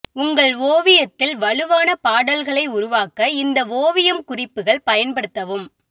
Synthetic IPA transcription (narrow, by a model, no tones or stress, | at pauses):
ʊŋɡɐɭʋoːʋɪjɐt̪ːɪlʋɐɭɯʋaːnɐpaːɽɐlɣɐɭɐɪʊɾʊʋaːkːɐɪnd̪ɐʋoːʋɪjɐmkʊrɪpːɯɣɐɭpɐjɐnpɐɽɯt̪ːɐʋɯm